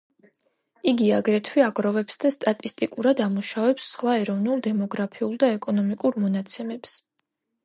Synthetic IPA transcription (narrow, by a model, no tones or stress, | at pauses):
iɡiaɡɾɛt̪ʰwiaɡʼɾɔvɛpsd̪ast̪ʼat̪ʼist̪ʼikʼuɾad̪amuʃavɛpsːχwaɛɾɔvnulˠd̪ɛmɔɡɾapʰiulˠd̪aɛkʼɔnɔmikʼuɾmɔnat̪sʰɛmɛps